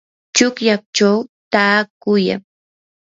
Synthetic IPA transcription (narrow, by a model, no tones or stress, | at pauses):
t͡ʃʊkjak̚t͡ʃawt̪aːkʊja̰ŋ